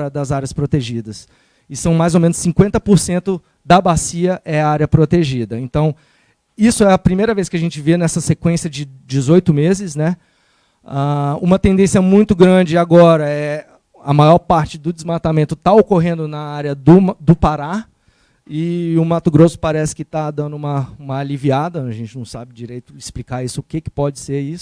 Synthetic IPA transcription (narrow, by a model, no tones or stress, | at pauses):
ɾɐd̪ɐzaɾjɐspɾot̪eʒid̪ɐs | ɪsɐ̃w̃majzowmẽnʊsːĩkwẽnt̪ɐpoɾsẽnt̪ʊ | d̪ɐbasiɐʔɛaɾjɐpɾot̪eʒid̪ɐẽnt̪ɐ̃w̃ | isʊɛɐpɾimejɾɐveskɪɐʒẽnt͡ʃɪvenɛsɐsekwẽsjɐd͡ʒɪd͡ʒɪzojt̪ʊmezɪsnɛ | aũmɐt̪ẽnd̪ẽsjɐmũj̃t̪ʊɡɾɐ̃d͡ʒɪaɡɔɾɐɛ | ɐmajɔɾpaɾt͡ʃɪd̪ʊd͡ʒɪzmat̪amẽnt̪ʊt̪aokoɦẽnd̪ʊnɐaɾjɐd̪ʊmd̪ʊpaɾa | ɪʊmat̪ʊɡɾosʊ̥paɾɛsɪ̥kɪt̪ad̪ɐ̃nd̪ʊũmɐũmɐaliviad̪ɐɐʒẽnt͡ʃɪnɐ̃w̃sa̰bɪd͡ʒiɾejt̪ʊɪsplikaɾisʊːkekɪ̥pɔd͡ʒɪseɾisʊʊ